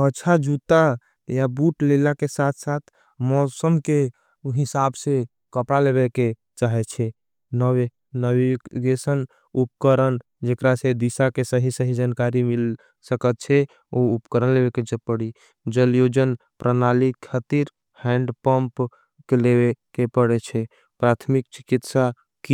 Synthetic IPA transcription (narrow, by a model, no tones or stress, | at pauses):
əːt͡ʃʰad͡ʒut̪a | jabuʈlelakesat̪ʰsat̪ʰ | mɔsəmke | ɦisabse | kəpɽaleβeke | t͡ʃaɦɛt͡ʃʰɛ | nəwe | nəwiɡesən | upkəɾən | d͡ʒekɾased̪isakesəɦisəɦid͡ʒankaɾimil | səkət̪̚t͡ʃʰɛ | oupkəɾənlebeked͡ʒəpəɽi | d͡ʒəljod͡ʒən | pɾʔənalikʰat̪iɾ | hɛ̃ɳɖpəmp | kelebekepəɽet͡ʃʰɛ | pɾat̪ʰmikt͡ʃi̥kit̪sa | ki